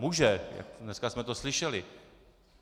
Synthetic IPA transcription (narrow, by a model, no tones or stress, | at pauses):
muʒɛja̰kdnɛskasmɛt̪oslɪʃɛlɪ